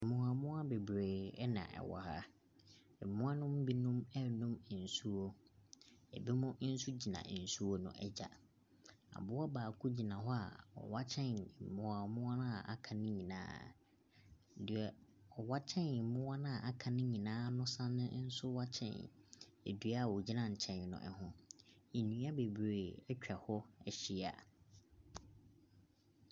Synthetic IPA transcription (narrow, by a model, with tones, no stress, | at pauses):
mʊ̃˨a˨mʊ̃˦a˦be˨bɾeː˨ɛ˦nã̰˨ʔɛ̰˨wɔ˨ha˦ | ɛ˨mʊ̃˦a˦nʊ̃˦m˦bi˦nʊ̃˦mɛ˦nʊ̃˦m˨n̩˨su˦o˦ | ɛ̰˨be˦mʊ̃˦n̩˦su˦d͡ʑi˨nã̰˨n̩˨su˦wo˦nʊ̰̃˦ʔɛ˦d͡ʑa̰˨ | a̰˨bʊ˦ɔ˦baː˨kʰʊ˦d͡ʑi˨nã˨ɦɔ˦a̰˨ɔ̰˨wa˦t͡ɕʰɛ̃˦n˨mʊ̃˨a˨mʊ̃˦a˦nã˦˨ʔa̰˨kʰã˨nɪ̃˦ɲĩ˨nã̰ː˦˨ | dɪ˨ɛ˨ɔ˨wa˦t͡ɕʰɛ̃˦n˨˦mʊ̃˦wa˦nã˦˨ʔa˨kʰã˨nɪ̃˦ɲĩ˨nãː˦nʊ̃˦sã˦nʊ̃˦n̩˦sʊ˦wa˦t͡ɕʰɛ̰̃˦˨nḛ˨dɥa˦˨wɔ˨d͡ʑi˦nã˦˨ɲ̩˨t͡ɕʰɛ̃˨n˨nʊ̰̃˨ʔɛ̰˨hʊ̃˦i˨nũ˨˦a˦be˨bɾe˨ɛ˦t͡ɕᶣɛ˨hɔ˦ɛ˨ɕi˦a̰˨